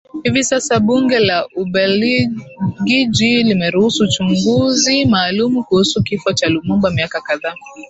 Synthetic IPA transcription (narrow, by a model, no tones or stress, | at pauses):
hivisasaɓuŋɡɛlaʔuɓɛl | ɡid͡ʒilimɛɾuhusut͡ʃuŋɡuzimaːlumukuhusukifɔt͡ʃalumumbamiakakaðaː